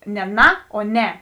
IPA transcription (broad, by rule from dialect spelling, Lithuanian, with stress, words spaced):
nʲɛ ˈnɐ oː ˈnʲɛ